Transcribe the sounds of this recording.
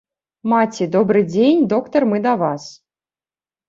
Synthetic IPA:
mat͡sʲid̪ɔbɾɨd͡zʲenʲd̪ɔkt̪ɐrmɨd̪ɐvas

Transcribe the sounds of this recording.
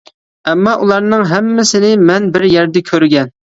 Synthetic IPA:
ɛmːɑʔulˠɑɾnɨŋɦɛmːɪsɪnɪmɛnbɪɾjɛɾd̪ɛkʲʰøɾɡʲɛn

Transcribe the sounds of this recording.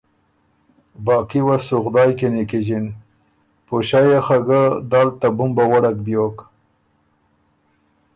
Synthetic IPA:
bɑːkiwasʊxd̪ɑːjkenikiʑin | poʃɑjaxaɡad̪alt̪abʊmbawaɽakbjok

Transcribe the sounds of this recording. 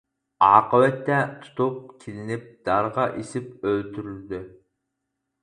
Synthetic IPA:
ɑːqəwɛt̪ːɛt̪ʰu̥t̪ʰup̚kʲʰilɪnɪp̚d̪̥ɑɾʁɑʔisɪp̚ølt̪ʰyɾyld̪y

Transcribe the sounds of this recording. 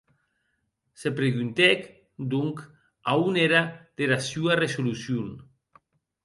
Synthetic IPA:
sepɾeɣunt̪ɛk | d̪uŋk | auneɾad̪̥elasuaresolusjun

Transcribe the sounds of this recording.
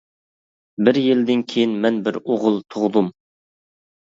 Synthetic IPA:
bɪɾjild̪ɪnkʲʰejinmɛnbɪɾoʁʊlˠt̪ʰoʁd̪um

